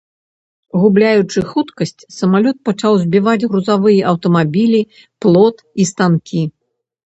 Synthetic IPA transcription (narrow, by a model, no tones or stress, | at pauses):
ɣublʲajut͡ʂɨxut̪kɐsʲt͡sʲsɐmalʲɔt̪̚pɐt͡ʂawzʲbʲivad͡zʲɣɾuzavɨjɐʔɐwt̪ɐmabʲilʲi | plˠɔt̪ist̪ankʲʰi